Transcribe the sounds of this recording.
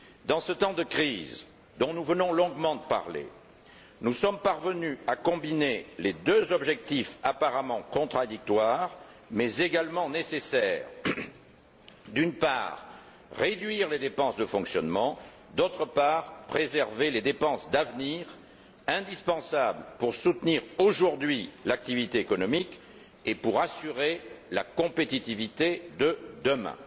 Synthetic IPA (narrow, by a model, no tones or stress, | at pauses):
d̪ɑ̃sət̪ɑ̃d̪əkχiz | d̪ɔ̃nuvənɔ̃lɔ̃ɡmɑ̃d̪əpa̰ʁlḛ | nusɔmpaʁvənyakɔ̃bineled̪øzɔbʒɛk̚t̪ifapaʁamɑ̃kɔ̃t̪χad̪ik̚t̪waʁ | mɛzeɡalmɑ̃nesesɛʁ | d̪ynpa̰ʁ | ʁed̪ɥiʁled̪epɑ̃sd̪əfɔ̃ksjɔnmɑ̃ | d̪ot̪χəpaʁpχezɛʁveled̪epɑ̃sd̪avniʁ | ɛ̃d̪ispɑ̃sabləpuʁsut̪niʁoʒuʁd̪ɥilak̚t̪ivit̪eekɔnɔmik | epuʁasyʁelakɔ̃pet̪it̪ivit̪ed̪əd̪əmɛ̰̃